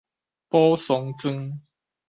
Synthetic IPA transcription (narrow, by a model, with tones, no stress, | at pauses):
pɔ˦sɔ˨˦ŋt͡sɨ˦ŋ